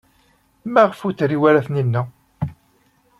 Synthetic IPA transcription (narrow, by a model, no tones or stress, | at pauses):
mæʁfut͡sːɾiwæɾæθninːæ